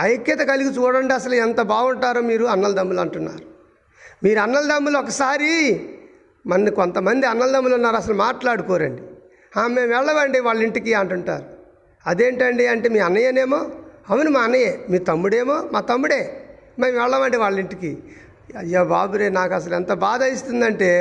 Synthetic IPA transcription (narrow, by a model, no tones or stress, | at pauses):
ɐjɐkjɐt̪ɐkɐliɡit͡ʃuːɽɐɳɖiɐs̬ɐluɛnt̪ɐbaːɡuɳʈaːɾoːmiːɾuɐnːɐlɐd̪ɐmːulɐɳʈunːa̰ːɾu | miːɾuɐnːɐlɐd̪ɐmːulɔkɐsaːɾi | mɐnːikont̪ɐmɐnd̪iɐnːɐld̪ɐmːulunːaːɾɐsɐlumaːʈlaːɽukɔːɾɐ̰ɳɖi | aːme̞ːmɛɭːɐʋɐɳɖiʋaːɭːiɳʈikiːɐɳʈuɳʈa̰ːɾu | ɐd̪e̞ːɳʈɐɳɖiɐɳʈeːmiːɐnːɐjɐne̞ːmoːɐʋɐnimaːɐnːɐjeːmiːt̪ɐmːuɽeːmoːmaːt̪ɐmːuɽe̞ː | me̞ːmʋɛɭːɐʋɐɳɖiʋaːɭːiɳʈikiː | ɐjːaːbaːbuɾeːnaːkɐs̬ɐlɛnt̪ɐbaːd̪ʱɐjist̪und̪ɐɳʈe̞ː